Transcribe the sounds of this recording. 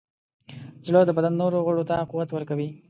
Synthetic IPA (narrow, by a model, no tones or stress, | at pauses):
zlod̪əbad̪anːoɾoɣʊɽot̪aquwat̪wəɾkawi